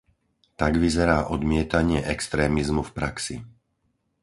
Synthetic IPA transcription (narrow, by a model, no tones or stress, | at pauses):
t̪aɡʋizɛɾaːʔɔd̪mɪɛt̪aɲɪɛʔɛkst̪ɾɛːmizmufpɾaksi